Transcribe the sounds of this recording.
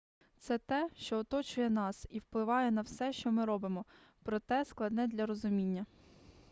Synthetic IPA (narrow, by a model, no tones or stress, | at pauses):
t̪sɛt̪ɛʃt͡ʃɔːt̪ɔt͡ʃʊjɛnɑsiwplˠɪʋɑjɛnɐwsɛʃt͡ʃɔmɪɾɔbɪmɔ | pɾɔt̪ɛsklˠɐd̪nɛd̪lʲɐɾɔzʊmʲinʲːɐ